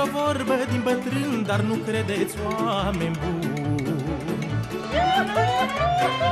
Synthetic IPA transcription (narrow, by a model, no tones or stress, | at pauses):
ɐvɔɾbəd̪ĩmbət̪ɾɨnd̪aɾnukʰɾɛd̪et͡swamẽmbu